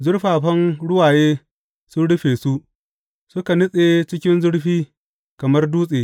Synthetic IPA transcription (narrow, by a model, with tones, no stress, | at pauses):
zʊ˦ɽɸaː˨ɸɐ˦nɽʊ˦waː˨jeː˦ | sʊ˦nɽʊ˦ɸeː˨su˦ʔ | sʊ˦ka˨nʊ˦sʼe˨t͡ʃɪ˦kʲɪ˦nzʊ˦ɽɸiː˦ | kɐ˨mɐ˦rduː˦sʼeː˨